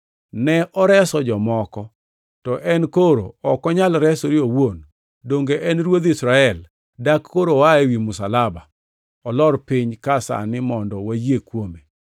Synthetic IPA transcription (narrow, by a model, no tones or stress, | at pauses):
nɛʔɔɾɛsɔd͡ʒɔmɔkɔ | tɔʔɛnkoɾo̰ɔkɔɲalɾɛsoɾɪowon | doŋɡeʔɛnɾwod̪ɪsɾaɛl | dakːoɾowaewimʊsalaba | ɔlɔɾpɪɲkasa̰nɪmɔndɔwajekwome